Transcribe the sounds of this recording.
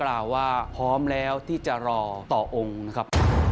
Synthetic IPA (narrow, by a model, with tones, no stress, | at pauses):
klaː˨˩wːaː˥˩pʰɔː˦˥mlɛː˦˥wt̪ʰiː˥˩t͡ɕa˨˩ɾɔː˧t̪ɔː˨˩ʔo˧ŋna˦˥kʰa˦˥p̚